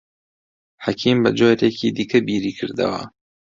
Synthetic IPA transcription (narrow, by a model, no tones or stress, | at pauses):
ħakʰiːmbɐd͡ʒoːjɾeːkʰid̪ikʰɐbiːɾiːkʰɨɾd̪ɐ̰wɐ̰